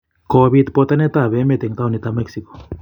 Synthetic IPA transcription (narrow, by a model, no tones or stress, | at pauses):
koβit̪̚pot̪anet̪aβemet̪eŋt̪aunit̪amɛksiko̥